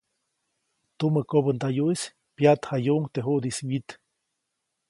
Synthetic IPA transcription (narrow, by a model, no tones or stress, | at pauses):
t̪uməkobənd̪ajuʔis | pjat̪hajuʔŋt̪eɦuʔd̪iswit̪